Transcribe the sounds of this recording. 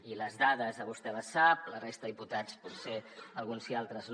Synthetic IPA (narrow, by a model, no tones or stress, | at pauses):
iləzðaðəzðəβust̪ɛləsap̚lərest̪əiput̪at͡sput̪seəlˠɣunzialˠt̪ɾəzn